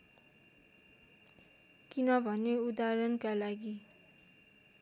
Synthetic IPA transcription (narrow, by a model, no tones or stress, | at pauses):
kinʌbʱʌnːeud̪aɾʌnkalaɡi